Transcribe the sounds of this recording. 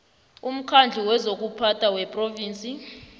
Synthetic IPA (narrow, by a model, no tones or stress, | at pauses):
um̩kʰand͡ɮʱiwɛzok̬upʰatʰawɛpʼroviːnt͡sʼi